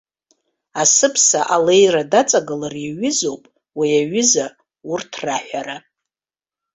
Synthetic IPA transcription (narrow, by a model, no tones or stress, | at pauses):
asɨpʰsaʔalejradat͡sʼaɡɨlarjaɥɪzo̞wpʼ | wiaɥɪza | urtʰraħʷᶣaɾa